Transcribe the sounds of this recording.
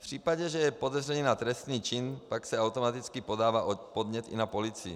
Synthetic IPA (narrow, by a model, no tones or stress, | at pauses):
fpr̝̥iːpaɟɛʒɛjɛpodɛzrɛniːnat̪ɾɛst̪niːt͡ʃinpaksɛawt̪omat̪it͡skipodaːvaːʔopod̪ɲɛt̪ḭnapolit͡si